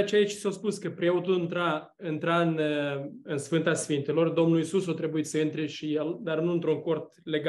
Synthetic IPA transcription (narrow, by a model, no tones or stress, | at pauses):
t͡ʃeait͡ʃʲsawspuskəpɾeot̪uɨnt̪ɾa | ɨnt̪ɾaɨn | ɨnsfɨnt̪asfint̪elo̞rd̪o̞mnulisusot̪ɾe̞buit̪səɨnt̪ɾeʃije̞ld̪arnuɨnt̪ɾuŋko̞rt̪le̞ɡa